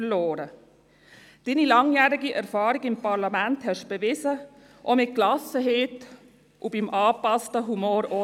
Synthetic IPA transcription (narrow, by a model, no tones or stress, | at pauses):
loːɾə | d̥iːnilɑŋjæːɾiɡiʔɛɾfɑːɾiɡɪmpɑɾlamænthɛʃb̥ɛvɪzə | ʔɔmɪt̚klɑsəɦeːt | ʔubimʔɑːpɑstəɦumoːɾɔ